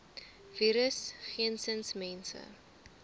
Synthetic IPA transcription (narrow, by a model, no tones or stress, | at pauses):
viːɾəsχiənsənsmɛnsə̰